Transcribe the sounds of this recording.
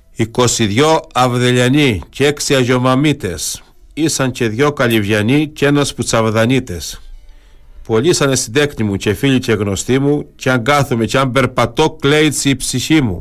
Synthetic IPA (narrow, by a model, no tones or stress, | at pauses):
ikosiðjoɐvðeʎɐniceksiaʝomɐmit̪es | isɐnt͡ʃe̞ðʝokɐʎivʝɐnit͡ʃenasput͡sɐvðɐnit̪es | poʎisɐnesid̪eknimut͡ʃefiʎit͡ʃeɣno̞st̪imut͡ʃeaŋɡaθume̞t͡ʃeambe̞ɾpɐt̪okleit͡siːpsiçimṵ